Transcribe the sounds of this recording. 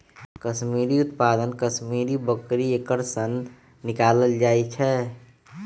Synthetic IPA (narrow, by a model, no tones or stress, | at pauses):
kəsmiɾiʊt̪pad̪ənkəsmiɾibəkɾiekəɾsənː | ɪkaːləld͡ʒaːjt͡ʃʰɛ